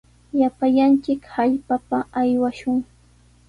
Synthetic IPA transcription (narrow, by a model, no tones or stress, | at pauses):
japaʎant͡ʃɪkhaʎpapaajwaʃʊŋ